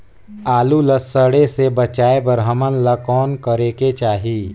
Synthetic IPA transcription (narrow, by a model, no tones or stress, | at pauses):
aːluləsəɽesebət͡ʃaːebəɾɦəmənlɐkɔːnkəɾeːket͡ʃaːɦiː